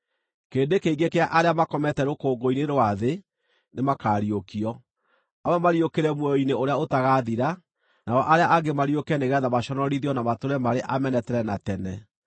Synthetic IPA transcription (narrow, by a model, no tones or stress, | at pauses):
keːndekeiɡekeaʔaɾeamakɔmɛtɛɾokoːɡoineɾwaðe | nemakaːɾiokiɔ | awɛmaɾiokeɾɛmwɔjɔineoɾeaotaɣaðiɾa | naɔʔaɾeaʔaɡemaɾiokɛneɣɛðamaɕɔnɔɾiðiɔnamatoɾɛmaɾeʔamɛnɛtɛɾɛnatɛnɛ